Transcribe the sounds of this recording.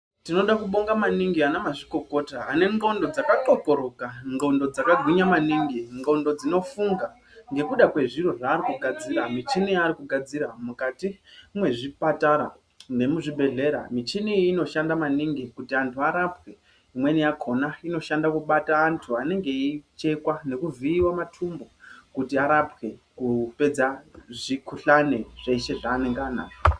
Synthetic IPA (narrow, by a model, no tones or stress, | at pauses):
tino̞ɗakuɓo̞ŋɡamaniŋɡianamaʐiko̞ko̞taːne̞ŋɡo̞ndo̞d͡zakaǃo̞ko̞ɾokaŋɡo̞ndo̞d͡zakaɡʱwiɲamaniŋɡiŋɡo̞ndo̞d͡zino̞fuŋɡa | ŋɡe̞kuɗakwe̞ʐiɾo̞ʐaːɾikuɡʱad͡ziɾamit͡ʃiniaɾikuɡʱad͡ziɾamukatimwe̞ʐipataɾa̰ | nɡe̞muʐiɓʱe̞ɮe̞ɾa̰mit͡ʃiniːno̞ʃandamaniŋɡikutiantʰuaɾapwe̞ | imwenijakʰo̞naino̞ʃandakuɓataːntʰuane̞ŋɡe̞it͡ʃe̞kwane̞kuviːwamatʰumbo̞kutiaɾapwe̞kupe̞d͡zaʐikʰuɬane̞ʐ̥eiʃe̞ʐaːne̞ŋɡaːna̰ːo